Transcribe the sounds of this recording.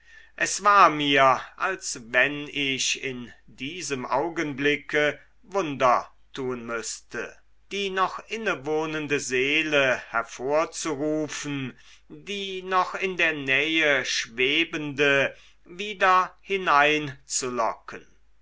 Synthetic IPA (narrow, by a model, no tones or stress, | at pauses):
ʔɛsv̥aːɐmiːɐʔalsvɛnɪçɪndiːzəmʔaʊɡənblɪkə | vʊndɐ | tʰuːnmʏstə̰ | d̥iːnɔχʔɪnəvoːnəndəzeːləhɛɐfoːɐt͡suʁuːfn̩ | diːnɔχɪndeːɐnɛːəʃv̥eːbəndə | viːdɐhɪnaɪnt͡sulɔ̰kʰən